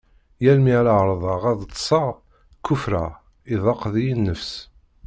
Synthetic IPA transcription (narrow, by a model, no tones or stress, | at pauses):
jælmiʕlaʕɾˤðˤɑʁæðˤt̪ːˤsˤɑʁ | kːufɾæ | iðˤɑqðijinːəfs